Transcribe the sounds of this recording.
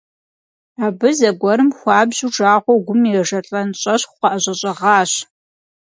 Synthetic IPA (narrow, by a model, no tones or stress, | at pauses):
aːbɨzɐɡʷɔɾɨmxʷɑːbʑuʈ͡ʂaːʁʷɔwɡʷʊmiɛʒɐɬʼɐnɕʼɐɕχqɐʔɐʑʷʼɐɕʼɐʁɑːɕ